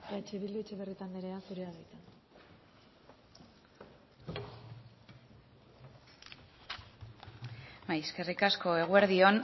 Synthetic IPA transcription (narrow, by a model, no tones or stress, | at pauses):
tat͡ʃe̞βild̪uet͡ʃeβe̞rit̪and̪eɾe̞asuɾe̞aβajt̪an | majske̞rikasko̞e̞ɣ̞ueɾðio̞n